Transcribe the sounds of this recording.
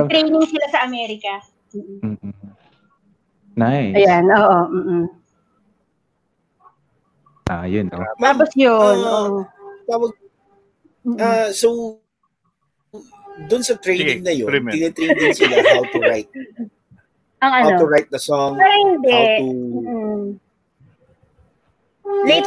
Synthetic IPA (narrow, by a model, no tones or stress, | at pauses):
t̪ɾejnɪŋsɪlasɐʔɐmɛːɾɪkɐ | m̩ːʔ̩ː | naɐjanʔoːʔom̩ːʔ̩ | ʔajʊnmaːposjonʔoʔt̪aːwɐɡ̩̚ | ʔasow | d̪ʊnsɐt̪ɾejnɪŋnɐjot̪ɪnɛt̪ɾej̪d̪ɪnsɪlaʔawt̪ʊɹajt̪̚ | ʔɐŋʔɐnaot̪oɹajt̪̚nɐsɔŋaɾɐhɪnd̪ɛː | lejt̪